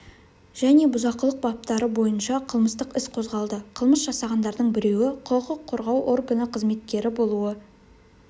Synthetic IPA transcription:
ʒ̥æne̞bʊzɑqəlˠəq̚bɑp̚t̪ɑɾəbo̞jənʃɑqʰəlˠməst̪əqɪsqʰo̞zʁɑlˠd̪əqʰəlˠməsʒ̥ɑsɑʁɑnd̪ɑɾd̪əɴbɪɾe̞wɪqʰoqəqʰːo̞ɾʁɑwʔorɡənəqʰəzme̞t̪̚kʲe̞ɾɪbo̞lˠuə

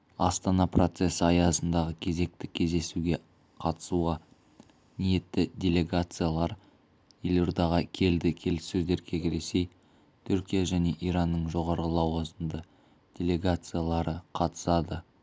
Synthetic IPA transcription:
ɑst̪ɑnɑpro̞t̪se̞səɑjɑsənd̪ɑʁəkʲʰe̞ze̞k̚t̪ɪkʲʰe̞zd̪e̞suɡʲe̞ | qʰɑt̪ə̥suʁɑ | nije̞t̪ːɪd̪ʲe̞lʲe̞ɡat̪sɨjalˠɑɾ | jelʲo̞ɾd̪ɑʁɑkʲʰe̞ld̪ɪkʲʰe̞lɪsːɵzd̪e̞ɾkʲʰe̞ɡʲɪɾese̞j | t̪ʰʏɾkʲijaʒæne̞ʔiɾɑnːəɴʒo̞ʁɑɾʁəlˠɑwɑzənd̪ə | d̥ʲe̞lʲe̞ɡat̪sɨjalˠɑɾəqʰɑt̪ə̥sɑd̪ə

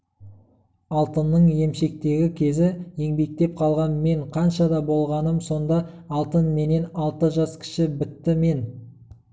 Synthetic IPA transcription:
ɑlˠt̪ənːəɴje̞mʃe̞k̚t̪e̞ɡʲɪkʲʰe̞zɪje̞ŋbe̞k̚t̪e̞p̚qʰɑlˠʁɑnme̞ɴqʰɑnʃɑd̪ɑbo̞lˠʁɑnəmso̞nd̪ɑɑlˠt̪ənme̞ne̞nɑlˠt̪əʒɑskʲʰɪ̥ʃɪbɪt̪ːɪme̞n

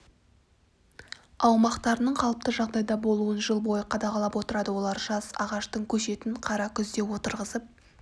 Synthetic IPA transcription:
ɑwmɑqt̪ɑɾənəɴqʰɑlˠəp̚t̪əʒɑʁd̪ɑjd̪ɑbo̞lˠuənʒəlˠbo̞jəqʰɑd̪ɑʁɑlˠɑpwo̞t̪əɾɑd̪əwo̞lˠɑɾʒɑsɑ̰ʁɑʃt̪əɴkʲʰɵʃe̞t̪ɪɴqʰɑɾɑkʲʰʏzd̪e̞wo̞t̪əɾʁəzəp̚

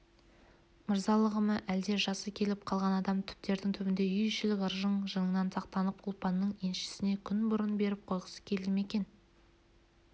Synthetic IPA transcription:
məɾzɑlˠəʁəməʔæld̪e̞ʒɑsəkʲʰe̞lɪp̚qʰɑlˠʁɑnɑd̪ɑmt̪ʰʏ̥p̚t̪e̞ɾd̪ɪŋt̪ʰʏbɪnd̪e̞ʏjʃɪlɪkəɾʒəɴʒəɴənɑnt̪ʰɑqt̪ɑnəpʊlˠpɑnːəɴenʃɪ̥sɪne̞kʲʰʏnbʊɾənbe̞ɾɪp̚qʰo̞jqə̥sə̥kʲʰe̞lɪme̞kʲe̞n

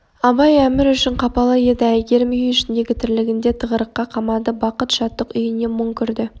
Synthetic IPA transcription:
ɑbɑjæmɪɾʏʃɪɴqʰɑpɑlˠɑje̞d̪ɪæjɡʲe̞ɾmʏjʏʃɪnd̪e̞ɡʲɪt̪ʰɪɾlɪɡʲɪnd̪e̞t̪ʰəʁəɾəqːɑqʰɑmɑd̪əbɑqət̪ʃɑt̪ːəqʏjɪne̞mʊŋkʲʰʏɾd̪ɪ

